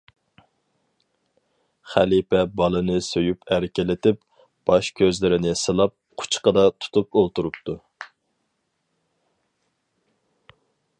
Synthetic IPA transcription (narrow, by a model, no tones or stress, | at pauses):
χælipɛbɑlˠɨnɨsøjupʰæɾkʲelɪt̪ɪp | b̥ɑʃkʲʰøzlɪɾɪnɪsɨlˠɑp̚qʰʊ̥t͡ʃʰqəd̪ɑt̪ʰu̥t̪ʰupolˠt̪uɾup̚t̪ʰu